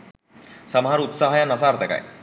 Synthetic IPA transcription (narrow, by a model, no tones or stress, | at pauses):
səmɦaɾut̪saɦajanəsaɾt̪ʰəka̰j